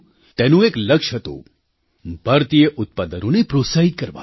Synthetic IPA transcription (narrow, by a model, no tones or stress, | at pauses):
t̪ɛːnũeːklɐkʂɦɐt̪o̰ | bʱɐɾt̪ijəʔʊt̪̚pɐd̪əɾõnepɾosaːid̪̚kɐɾʋa̰ː